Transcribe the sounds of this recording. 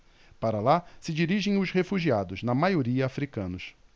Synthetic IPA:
paɾɐlasɪd͡ʒiɾiʒẽj̃ʊzhefuʒiad̪ʊznɐmajoɾiɐːfɾikɐ̃nʊs

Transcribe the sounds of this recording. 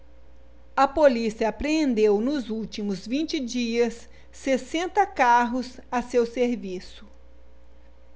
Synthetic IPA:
ɐpolisiɐːpɾeẽnd̪ewnʊzuwt͡ʃimʊzvĩnt͡ʃɪd͡ʒiɐsː | esẽnt̪ɐkaɦʊzɐsewseɾvisʊ

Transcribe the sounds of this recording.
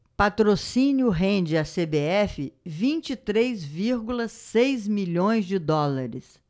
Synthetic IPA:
pat̪ɾosĩnjʊɦẽnd͡ʒɪasebeɛfɪvĩnt͡ʃit̪ɾezviɾɡulɐsejzmiʎõj̃zd͡ʒɪd̪ɔlaɾɪ̰s

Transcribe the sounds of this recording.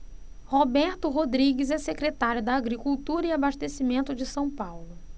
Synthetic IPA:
hobɛɾt̪ʊɦod̪ɾiɡɪzɛsekɾet̪aɾjʊd̪ɐːɡɾikuwt̪uɾɐɪabaʃt̪esimẽnt̪ʊd͡ʒɪsɐ̃w̃pawlʊ

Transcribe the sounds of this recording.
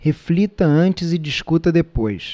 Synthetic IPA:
heflit̪ɐɐ̃nt͡ʃɪzɪd͡ʒiskut̪ɐd̪epojs

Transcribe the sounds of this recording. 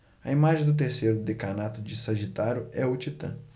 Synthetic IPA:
ɐimaʒẽj̃d̪ʊt̪̬eɾsejɾʊd̪ekanat̪ʊd͡ʒɪsɐʒit̪aɾjʊɛʊt͡ʃit̪ɐ̰̃

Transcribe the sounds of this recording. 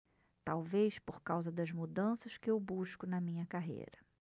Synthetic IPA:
t̪awvejspoɾkawzɐd̪ɐzmud̪ɐ̃sɐʃkɪewbuʃkʊnɐmĩɲɐkaɦḛjɾɐ

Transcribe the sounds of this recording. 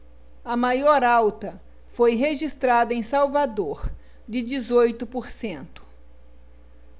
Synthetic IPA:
ɐmajɔɾawt̪ɐ | fojɦeʒist̪ɾad̪ɐẽj̃sawvad̪oɾ | d͡ʒɪd͡ʒɪzojt̪ʊpoɾsẽnt̪ʊ̥

